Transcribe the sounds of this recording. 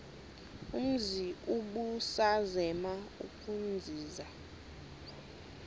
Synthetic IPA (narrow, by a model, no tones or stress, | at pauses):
um̩ziuɓusazɛmaṵkʼund͡zʱiːza